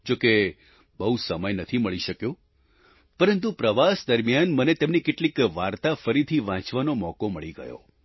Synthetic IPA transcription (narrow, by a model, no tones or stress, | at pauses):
d͡ʒoke | bəɦusəməjnət̪ʰiməɭiʃəkjõ | pəɾənt̪̬upɾəʋasd̪əɾmjanmənet̪emnikɪʈlikʋaɾt̪afəɾit̪ʰiʋãt͡ʃʋanomɔkoməɭiɡə̰jo̰